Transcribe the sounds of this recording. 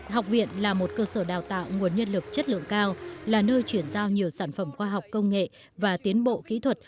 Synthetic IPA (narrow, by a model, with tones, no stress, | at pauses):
ha˨˩wk͡p̚vḭ˧˨ənlaː˨˩mo˨˩t̚kəː˧səː˧˩ɗaː˨˩wt̪a̰ː˧˨wŋu˨˩ənɲə˧nlɨ˨˩k̚t͡ɕə˦˥t̚lɨ̰˧˨əŋkaː˧wlaː˨˩nəː˧jt͡ɕwi˧˩ənzaː˧wɲi˨˩əwsaː˧˩nfə˧˩mxwaː˧ɦa˨˩wk͡p̚kə˧wŋ͡mŋḛ˧˨ | vaː˨˩t̪i˨˦ənɓo̰˧˨kḭ˧˥t̪ʰwə˨˩t̚